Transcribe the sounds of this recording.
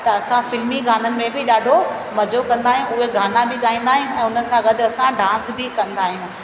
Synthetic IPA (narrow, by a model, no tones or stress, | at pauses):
t̪ɐɐsãfɪlmiɡʱaːnənɪ̆mẽbɪɗaːɖʱo | mɐd͡ʑokɐ̃nd̪aːɦijũʊɦeɡʱaːnabɪɠaːĩːn̆d̪aːɦijũʔɛ̃ːʊnə̆ɪ̆sãɡɐɗɐsãɖãːnsbɪkɐ̃nd̪aːɦijũː